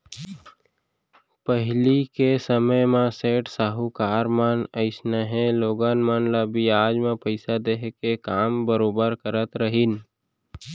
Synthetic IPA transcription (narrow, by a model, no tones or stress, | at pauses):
pəɦlikesəməjmãseːʈsaːɦukaːɾmanəɪsnaɦẽloːɡaːnmaːnlaːbiaːd͡ʒmẽpəɪsad̪eɦkekaːmbəɾoːbəɾkəɾət̪ɾəɦin